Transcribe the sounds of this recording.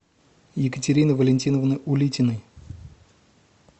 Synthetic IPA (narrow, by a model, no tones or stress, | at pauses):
jɪkətʲɪɾʲinɨvəlʲɪnʲtʲinəvnɨʔʊlʲitʲɪnɨj